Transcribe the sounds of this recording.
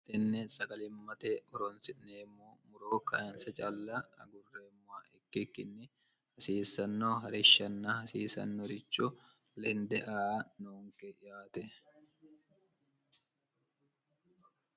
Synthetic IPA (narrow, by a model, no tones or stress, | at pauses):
t̪ɛnːɛsɐɡɐlɪmːɐt̪eʔɔɾɔnsɪneːmːoːmʊɾoːkɐʔɐnsɐt͡ʃʼɐlːaɐ̰ɡʊrːeːmːʊwaʔɛkːɪkːɪnːɛ | hɐsiːsːɐnːoːɦɐɾɪʃːɐnːahɐsiːsɐ̰nːɔɾɪt͡ʃʼːʊ | lɛnd̪ɛʔaːnoːŋkɛjaːt̪ɛ